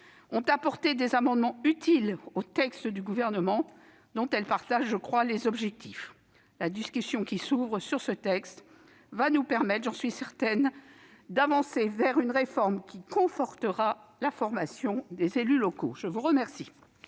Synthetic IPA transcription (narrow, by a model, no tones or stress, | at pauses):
ɔ̃t̪apɔʁt̪ed̪ezamɑ̃d̪mɑ̃yt̪ʰilot̪ɛkst̪əd̪yɡuvɛʁnəmɑ̃ | d̪ɔ̃t̪ɛlpaʁt̪aʒːəkχwalezɔbʒɛk̚t̪ʰif | lad̪iskʲysjɔ̃kʲisuvʁəsyʁsət̪ɛkst̪ | vanupɛʁmɛt̪χʒɑ̃sɥisɛʁt̪ɛn | d̪avɑ̃sevɛʁynʁefɔʁmkʲikɔ̃fɔʁt̪əʁalafɔʁmasjɔ̃d̪ezelylɔko̰ʒəvuʁəmɛʁsi